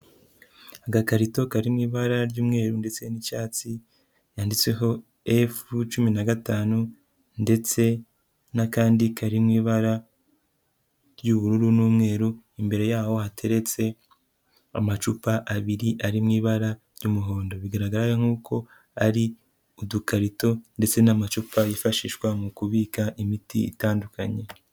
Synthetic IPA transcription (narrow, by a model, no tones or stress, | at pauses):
aɡakaɾito̞kaɾimŋiːβaɾaɾjuːmŋe̞ːɾunde̞t͡se̞nit͡ʃaːt͡si | jaːndit͡swe̞ɦo̞ | efut͡ʃuminaɡataːnu | nde̞t͡se̞ | nakaːndikʰaɾimŋiːβaɾa | ɾjuβuɾuɾunuːmŋe̞ːɾu | imbe̞ɾe̞jaːho̞hatʰe̞ɾe̞t͡se̞ | a̰mat͡ʃupaʔaβiɾiʔaɾimŋiːβaɾa | jumuɦo̞ːndo̞βiɡaɾaɡaɾajaŋ̥uːkʰo̞ | aɾi | udukaɾito̞nde̞t͡se̞namat͡ʃupajifaʃiːʃwamukuβiːkaʔimitiḭtaːndukʰaɲe̞